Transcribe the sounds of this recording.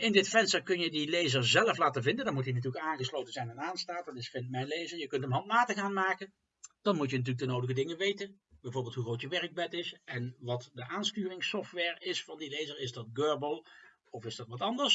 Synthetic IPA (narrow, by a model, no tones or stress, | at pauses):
ʔɪndɪtfɛnstəkɵnjədilejzəɹzɛləflaːtəvɪndəndɑmutint̬yːləkaːnχəslowtənzɛjnɛnaːnstaːt̚dɑtɪsfɪnmɛjnlejzəɹjəkɵntəmɦɑnt̚maːtəɣaːnmaːkən | d̥ɑnmutjənɑt̬yːləɡdənowdəɣədɪŋəʋejtən | bɛjvoːɹbɪːlˠtɦuχroːwtjəʋɛɹəɡ̚bɛtɪsʔɛnʋɑtdəʔaːnstyːrɪŋsɔftʋɛːɹɪsfɑndilejzəɹɪzdɑt̚ɡøːɹbəlˠ | ɔfɪzdɑtʋɑtɑndəɹs